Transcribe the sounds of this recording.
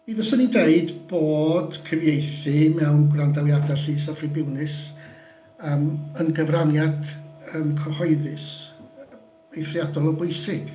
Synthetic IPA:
iðɔsɔnideɨdb̥oːd̥kʰəvjejθɨmɛwnɡrandawjadaɬiːsafrɪbɪwnɨs | əːmənɡəvranjadəmkʰɔhɔɨðɨs | ejθrjadɔlˠɔbʊjsɪɡ̥

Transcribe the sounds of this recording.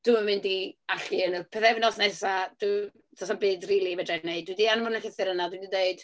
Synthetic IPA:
d̥uməmɪndiaɬiənəpʰɛθɛvnɔsnɛsad̥u | tʰɔsabɨːdriːlˠivɛdrɛneɨd̚dwidianmʊnəɬɪθɪɾənadwidideɨd̥

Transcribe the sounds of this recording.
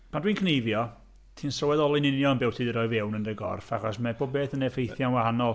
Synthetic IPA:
pʰandwiːnkʰnejvjɔ | tʰiːnsɔwɛðɔlˠɪnɪnjɔnbɪwtʰiðəɾɔɨvɛwnəndəɡɔ̰rfaχɔsmɛboːb̚eːθənɛfejθjanwahanɔlˠ

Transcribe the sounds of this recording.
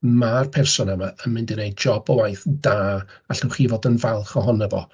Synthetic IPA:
marpʰɛrsɔnəmaənmɪndɪnejd͡ʒɔbəwajθd̥aː | aɬʊwχiːvoːdənvalˠχɔɦɔnəvɔ̰

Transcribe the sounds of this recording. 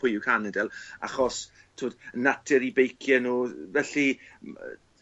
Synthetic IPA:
pʊjʊkʰanɛdɛlˠa̰χɔs | tʰuːdənatʰɪɾibejkʰjɛnuːvɛɬi

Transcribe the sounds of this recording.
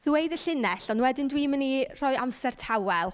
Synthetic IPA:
ðwejdəɬɪnɛɬɔnwɛdɪndwiːmənirɔːɨʔamsɛr̥tʰawɛlˠ

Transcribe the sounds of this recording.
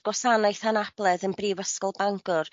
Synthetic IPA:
ɡ̥wɔsanajθanab̥lˠɛðənbriːvəskɔlˠbaŋɡʊr

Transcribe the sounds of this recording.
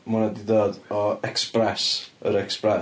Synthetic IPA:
munadidoːdɔɛksprɛsə̰ɾɛksprɛ

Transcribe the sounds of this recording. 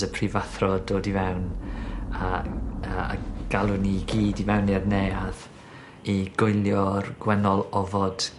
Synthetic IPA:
əpʰrivaθrɔdoːdivɛwn | aəa̰ɡ̥alˠʊniɡiːdivɛwnɪrneað | iɡ̥ʊɨlˠjɔrɡ̥wɛnɔlˠɔvɔd̥

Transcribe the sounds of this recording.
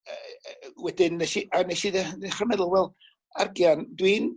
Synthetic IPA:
wɛdɪnːeʃianeʃiðɛneχarmɛðəlˠvwɛlˠ | arɡjandwin

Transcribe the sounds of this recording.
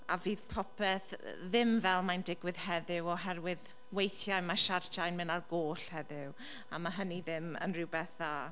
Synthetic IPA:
aviːð̥pʰɔpʰɛθðɪmvɛlˠmajndɪɡwɨð̥hɛðɪwɔɦɛrwɪð | wejθjajmaʃart͡ʃʰajnmɪnarɡoːɬhɛðɪw | amaɦəniðɪmə̰nrɪwbɛθa

